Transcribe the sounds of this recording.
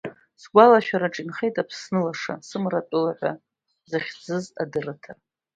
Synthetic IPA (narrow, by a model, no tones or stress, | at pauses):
sɡʷalaʃᶣaɾaʈ͡ʂʼinχe̞jtʼapʰsnɨlaʂa̰sɨmrat͡pʷʼɨlaħʷa | zaχʲd͡zɨzadɨratʰa